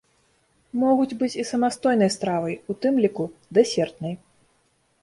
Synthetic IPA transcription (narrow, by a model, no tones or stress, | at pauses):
mɔɣud͡zʲbɨt͡sʲisɐmast̪ɔjn̪ɐjst̪ɾavɐjut̪ɨmlʲikud̪ɛsʲɛrt̪̚nɐj